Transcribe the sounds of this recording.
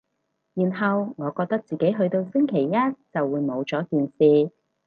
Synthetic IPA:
jiː˨˩nɦɐ˨wŋɔː˨˧kɔː˧k̚t̪ɐ˥k̚t͡siː˨ke˨˥jɦɵ˧ɥt̪o˧wsɪ˥ŋkʰe˨˩jːɐ˥t̚t͡sɐ˨wːuː˨˧jmo˨˧wt͡sɔː˨˥kiː˨nsiː˧

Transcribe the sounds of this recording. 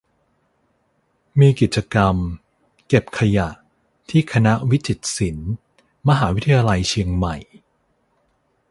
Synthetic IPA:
miː˧ki˨˩t̪̚t͡ɕːa˧ka˧m | ke˨˩p̚kʰa˧ja˨˩ʔ | t̪ʰiː˥˩kʰa˧na˦˥ʔwi˦˥t͡ɕi˨˩t̪̚si˩˦n | ma˧ɦaː˩˦wi˦˥t̪ʰa˧jaː˧la˧jt͡ɕʰi˧əŋma˨˩j

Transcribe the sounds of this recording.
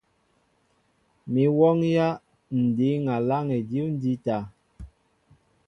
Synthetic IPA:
mi˨wɔ˦ŋja˦ | n̩˨di˨˦ŋa˨la˦ŋɛ˨di˦wn̩˦di˦ta˨

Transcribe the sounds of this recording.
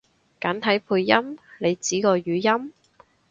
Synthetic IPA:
kaː˨˥nt̪ʰɐ˨˥jpʰuː˧jːɐ˥mne˨˧jt͡siː˨˥kɔː˧jyː˨˧jɐ˥m

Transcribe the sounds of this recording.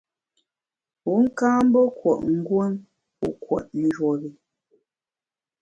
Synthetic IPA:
u˨˦ŋ̩˦kaː˦m̩˦bɔ˦kwɔ˨ʔŋ̩˦ɡwo˦n | pṵ˨kwɔ̰˨t̚n̩˨˦d͡ʒwɔ˨ɣi˨

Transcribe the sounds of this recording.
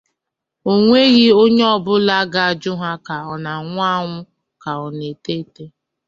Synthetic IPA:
o˨ŋʷe˦ɣi˦o˦ɲe˦ɔ˦bʊ˦la˦ɡa˦˨d͡ʒʊ˦ɦa˦ka˨ɔ˨na˨ŋʷʊ˦a˦ŋʷʊ˦ | ka˨ɔ˨ne˨te˦te˦

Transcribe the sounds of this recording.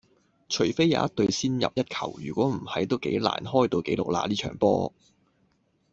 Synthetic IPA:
t͡ʃʰɵ˨˩ɥfe˥jːa̰ː˨˧˦ɐ˥t̪ɵ˧ɥsiː˥njɐ̰˨p̚jɐ˥t̚kʰɐ̰˨˩wjyː˨˩kʷɔː˨˥m̩˨˩hɐ˨˥jt̪o˥wkḛ˨˥jla̰ː˨˩nɦɔː˥jt̪o˧wke˨˥jlo̰˨k̚la̰ː˧liː˥t͡ʃʰœ̰ː˨˩ŋpɔ̰ː˥

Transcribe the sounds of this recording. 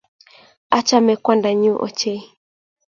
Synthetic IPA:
a˦t͡ʃa˦mɛ˨kwa˦nda˨ɲu˦ʔɔ̰˨t͡ʃɛ˦i˦

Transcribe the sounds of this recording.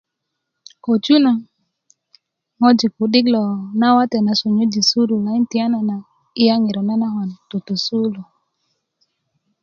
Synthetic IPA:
ko˨t͡ʃu˦na˨ | ŋɔ˦d͡ʒi˨ku˨dɪ˦klɔ˨na˦wa˦tɛ˨na˨so˨ɲo˦d͡ʒi˨su˦lu˨la˨˦i˦ntɪ˨a˦na˨na˨ | ɪ˦ja˦ŋɪ˨ɾɔ˨na˦na˦ɦa˨nto˨to˨su˦lo˨

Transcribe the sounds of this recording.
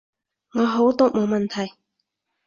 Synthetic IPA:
ŋɔː˨˧ɦo˨˥wt̪ʊ˥k̚mo˨˧wmɐ˨˩nt̪ʰɐ˨˩j

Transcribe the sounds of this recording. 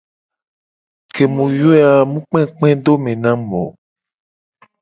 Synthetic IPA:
kʰe˨mũ˨jo˦a˨mũ˦k͡pɛ̃˦k͡pɛ̃˦d̪o˦mẽ˨nã˦mɔ̃˨

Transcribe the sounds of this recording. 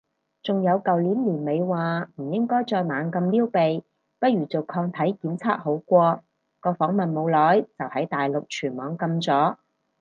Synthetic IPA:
t͡sʊ˨ŋjɐ˨˧wkɐ˨wliː˨˥nliː˨˩nme˨˧jwaː˨m̩˨˩jɪ˥ŋkɔː˥jt͡ʃɔː˧jmaː˨˧nkɐ˧mliː˥wpe˨j | pɐ˥t̚ɥyː˨˩t͡so˨wkʰɔː˧ŋt̪ʰɐ˨˥jkiː˨˥mt͡sʰaː˥t̚ho˨˥wkʷɔː˧ | kɔː˧fɔː˨˥ŋmɐ˨nmo˨˧wlɔː˨˥jt͡sɐ˨whɐ˨˥jt̪aː˨jlʊ˨k̚t͡ʃʰyː˨˩nmɔː˨˥ŋkɐ˧mt͡sɔː˨˥

